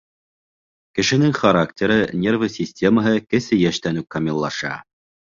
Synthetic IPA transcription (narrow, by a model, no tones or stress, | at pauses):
kɘ̆ʃɘ̆nɘŋχɐɾaktʲeɾɤnʲervəsʲisʲtʲeməɦɤkɘ̆sɘjæʃt̪ænʉkːɐmʲilˠːɑʃɑ̰